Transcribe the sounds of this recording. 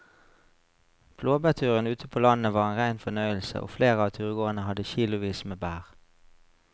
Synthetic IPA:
pʰloːbæt̪ʰʉːʁənʉːt̪ʰəpʰoːlɑnnəʋɑːʁeːnʁæɪnfɔnœʏəl̩sə̰ʔo̰ːfleːʁəɑːt̪ʰʉːʁəɡoːənəhɑd̪əçiːlʊʋiːsmeːbæːʁ

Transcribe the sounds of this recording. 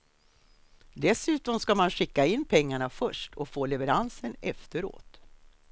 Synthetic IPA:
d̪ɛsʉ̟ːt̪ɔmskamanɧɪkːaɪnːpʰɛŋːaɳafœʂʈʰɔkfoːlɛvɛɾansənɛft̪əɾo̰ːt̪

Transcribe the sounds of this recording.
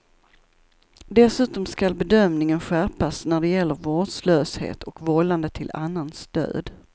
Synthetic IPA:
d̪ɛsʉ̟ːt̪ɔmskalbɛd̪œmnɪŋənɧæːpasnæɖɛjɛlːəɾvoːɖsløːshḛːt̪ʰɔkvɔlːand̪ət̪ʰɪla̰nːanst̪ø̰ːd̪

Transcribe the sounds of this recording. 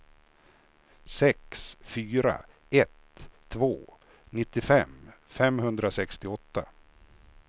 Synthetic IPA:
sɛksfyːɾa̰ | ɛt̪ʰː | voː | nɪt̪ːɪfɛmfɛmɦɵnd̪ɾasɛkst̪ɪɔt̪ːa

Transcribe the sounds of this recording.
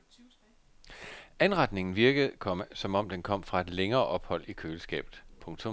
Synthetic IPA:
ænʁɑ̈d̥ne̝ŋn̩ʋiɐɡ̥əð̩ˠkʰɒ̽msɒ̽mɒ̽m̰d̥enkʰɒ̽m̰fʁɑ̈e̝d̥leŋɐːʔɒ̽b̥hɒ̽l̰ikʰøːl̩sɡ̥ɛ̰ːb̥ð̩ˠpʰɔ̽ŋt͡sʰo̽m

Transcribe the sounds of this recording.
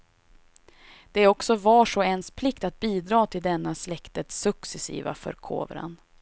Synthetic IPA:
d̪̥ɛɔksɔvɑːʂoɛnspʰlɪkt̪at̪̚biːd̪ɾɑːt̪ʰɪld̪ɛnːaslɛkt̪ət̪sɵksɛsḭːva̰fœ̰ɾkʰo̰ːvɾa̰n

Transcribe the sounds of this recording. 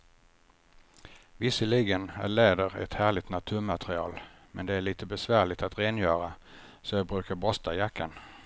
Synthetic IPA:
vɪsəliɡənæ̰ɭeːd̪əɾɛ̰t̪hæːɭɪt̪nat̪ʰʉːɾmat̪ɾɪɑ̰ːl | mɛnd̪ɛæɭiːt̪əbɛsvæːɭɪɡt̪at̪ɾeːnjœːɾa | sɔjɑːbɾʉ̟ːkaɾbɔst̪ʰajakʰːan

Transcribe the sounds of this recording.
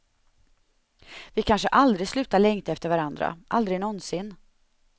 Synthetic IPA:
vɪkʰanʂəʔald̪ɾɪslʉ̟ːt̪aɭɛŋt̪ɛft̪əɾvaɾand̪ɾa̰ʔald̪ɾɪɡnɔnsɪnː

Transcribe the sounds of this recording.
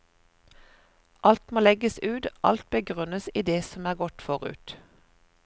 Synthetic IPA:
ʔɑlt̪moːlɛɡəsʉːd̪ʔɑ̰lt̪̚bəɡʁʉnəsiːd̪eːsɔmæːʁɡɔt̪fɔʁʉ̰ːt̪

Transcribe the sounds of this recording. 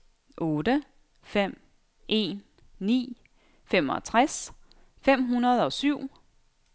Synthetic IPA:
ʔɔ̽ːd̥ə | fem̰ | ʔe̝̰ːnː | ḭː | fem̰ɒ̽t͡sʰʁas | fem̰ɦunɐð̞ˠɒ̽syʊ̰

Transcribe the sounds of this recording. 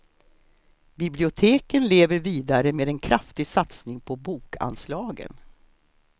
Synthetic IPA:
bɪblɪʊt̪ʰeːkənleːvəɾviːd̪aɾəmeːd̪ɛnkʰɾaft̪ɪɡsat̪snɪŋpʰɔbuːka̰nslɑːɡə̰n

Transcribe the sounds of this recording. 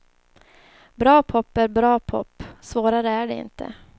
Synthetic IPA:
bɾɑːpʰɔpːæɾbɾɑːpʰɔ̰pːsvoːɾaɾəæɖɛɪ̰nt̪ʰə̰

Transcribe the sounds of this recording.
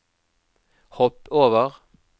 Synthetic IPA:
hɔpoːʋəʁ

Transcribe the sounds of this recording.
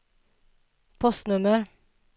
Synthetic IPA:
pʰɔst̪nʉməɾ

